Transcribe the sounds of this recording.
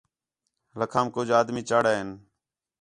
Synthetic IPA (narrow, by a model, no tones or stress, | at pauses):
ləkʰaːmkoːd͡ʒaːd̪miːt͡ʃaːɽaːɦɪn